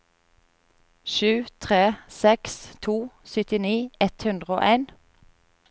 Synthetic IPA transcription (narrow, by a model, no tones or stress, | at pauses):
ʃʉːt̪ʰʁeːsɛkst̪ʰuːsʏt̪ɪniːɛt̪hʉnd̪ʁəo̰ːʔæɪn